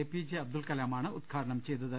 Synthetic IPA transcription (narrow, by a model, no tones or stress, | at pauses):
epid͡ʑeɐb̚d̪ulkɐlaːmaːɳɨud̪̚kʰaːɾɐɳɐmt͡ɕejt̪ːɐðɨ